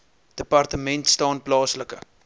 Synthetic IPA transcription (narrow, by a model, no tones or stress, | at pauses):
d̥əpɐrtəmɛntstɑːnplɑːsləkə̰